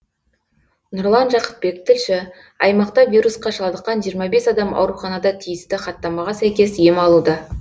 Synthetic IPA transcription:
nʊɾlˠɑnʒɑqə̥t̪̚be̞k̚t̪ʰɪlʃɪ | ɑ̰jmɑqt̪ɑvʲiɾusqɑʃɑlˠd̪əqːɑnʒijəɾmɑbe̞sɑd̪ɑmɑ̰wɾuχɑnɑd̪ɑt̪ʰijɪst̪ɪχɑt̪ːɑmɑʁɑsæjkʲe̞sje̞mɑlˠud̪ə

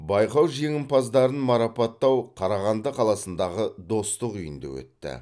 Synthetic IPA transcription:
bɑjqɑwʒe̞ŋʲɪmpɑzd̪ɑɾənmɑɾɑpɑt̪ːɑwqʰɑɾɑʁɑnd̪əqʰɑlˠɑsənd̪ɑʁəd̪o̞st̪əqʏjə̰nd̪ə̰wɵ̰t̪ːɪ̰

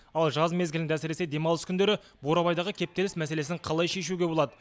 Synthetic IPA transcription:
ɑlˠʒɑzme̞zɡʲɪlɪnæsɪɾesed̪e̞mɑlˠəskʲʰʏnd̪e̞ɾɪ | bo̞ɾɑβɑjd̪ɑʁəkʲʰe̞p̚t̪e̞lɪsmæse̞le̞sɪɴqʰɑlˠɑjʃe̞ʃuɡʲe̞bo̞lˠɑd̪ə

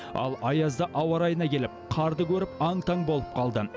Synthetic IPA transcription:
ɑ̰lˠɑjɑzd̪əʔɑwɑɾɑjənɑkʲʰe̞lɪp̚qʰɑɾd̪əkʲʰɵɾɪp̚ɑŋt̪ʰɑŋbo̞lˠəp̚qʰɑlˠd̪ə

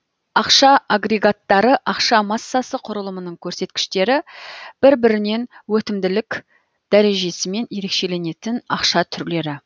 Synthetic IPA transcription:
ɑqʃɑaɡɾe̞ɡat̪ːɑɾəʔɑqʃɑmɑsːɑsəqʰʊɾəlˠəmənəɴkʲʰɵɾse̞t̪kʲɪ̥ʃt̪e̞ɾɪb̥ɪɾbɪɾɪne̞nwɵt̪ɪmd̪ɪlɪk | d̪̥æɾe̞ʒe̞sɪme̞nje̞ɾe̞kʃe̞le̞ne̞t̪ɪnɑqʃɑt̪ʰʏɾle̞ɾɪ

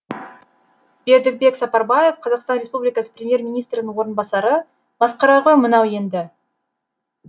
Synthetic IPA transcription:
b̥e̞ɾd̪ɪk̚be̞ksɑpɑɾbɑjefqʰɑzɑqst̪ɑnɾʲe̞spublijkɑsə̥prʲemje̞rmʲijnijst̪ɾɪnɪŋwo̞ɾənbɑsɑɾə | b̥ɑsqɑɾɑʁəmənɑwe̞nd̪ɪ

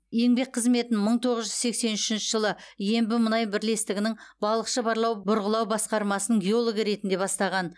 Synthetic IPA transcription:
je̞ŋbe̞k̚qʰəzme̞t̪nɪməɴt̪ʰo̞ʁəzʒʏzse̞kse̞nʏʃɪnʃɪʒəlˠəje̞mbɪmənɑjbɪɾle̞st̪ɪɡʲɪnɪŋbɑlˠəqʃəbɑɾlˠɑwbʊɾʁəlˠɑwbɑsqɑɾmɑsənəɴɡʲeo̞lˠoɡəɾe̞t̪ɪnd̪e̞bɑst̪ɑʁɑn

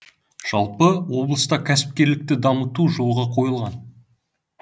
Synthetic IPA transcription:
ʒ̥ɑlˠpəwo̞blˠəst̪ɑkʲʰæsɪ̥p̚kʲe̞ɾlɪk̚t̪ɪd̪ɑmət̪uʒo̞lˠʁɑqʰo̞jəlˠʁɑn

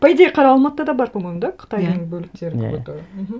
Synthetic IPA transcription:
pʰɑjd̪eqʰɑɾɑɑlˠmɑt̪ːɑd̪ɑbɑɾpʰomojmd̪ɑqʰə̥t̪ɑjnəŋbɵlɪk̚t̪e̞ɾɪot̪uɾəm̩ɦ̩

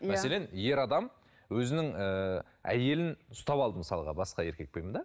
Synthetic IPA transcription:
mæse̞le̞nje̞ɾɑd̪ɑm | wɵzɪnɪŋə | æ̰je̞lɪnʊst̪ɑpɑlˠd̪əməsɑlˠəʁɑ̰bɑsqɑje̞ɾkʲe̞k̚pejmənd̪ɑ

